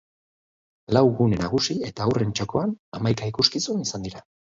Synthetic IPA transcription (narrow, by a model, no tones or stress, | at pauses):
lawɣune̞naɣ̞usie̞t̪aːwre̞nt͡ʃoko̞anamajkaikuskisunisand̪iɾa